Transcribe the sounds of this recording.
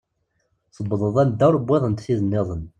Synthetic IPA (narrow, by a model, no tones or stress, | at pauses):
sˤəbːəðˤəðˤænd̪ːæwɾəbːeðˤənt̪θiðənːeðˤən